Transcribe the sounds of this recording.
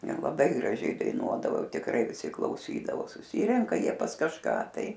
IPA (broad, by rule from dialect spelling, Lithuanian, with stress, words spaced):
ˈjiɛ lˠɐˈbɐɪ ɡrɐˈʒʲɛɪ dɐɪˈnuɔdɐʋoː ˈjɛʊ tʲɪkˈrɐɪ ʋʲɪˈsʲɪ klˠɐʊˈsʲiːdɐʋoː sʊˈsʲiːrʲɛŋkɐ ˈjiɛ pɐs kɐʃˈkɑː ˈtɐɪ